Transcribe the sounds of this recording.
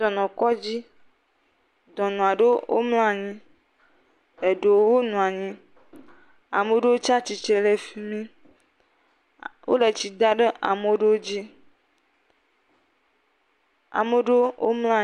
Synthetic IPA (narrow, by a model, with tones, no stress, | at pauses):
ɔ˨nɔ̃˨kɔ˦d͡ʑi˦ | d̪ɔ̃˨nũ˨a˨ɖe˦wʔo̰˦ml̃ã˦˨ɲĩ˦ | e˨ɖe˨˦wo˦nũ˨a˨ɲĩ˦ | a̰˨me˨ɖe˦wo˦t͡ʃa˦t͡ɕi˨t͡ʃe˨le˨fi˦mĩ˦ | wʔo̰˦le˨t͡ɕi˨d̪a˦ɖe˦ʔa˨me˨ɖe˦wo˦d͡ʑi˦ | a̰˨me˨ɖe˦wʔo̰˦mlã˦